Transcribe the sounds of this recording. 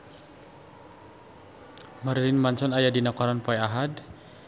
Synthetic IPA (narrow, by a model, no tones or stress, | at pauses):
maɾlinmansɔnajadinakɔɾanpɔɛaɦad